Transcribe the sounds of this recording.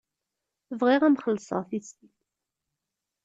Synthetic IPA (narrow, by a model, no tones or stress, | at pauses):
vʁiʁæmχəlsˤə̰ʁθist̪it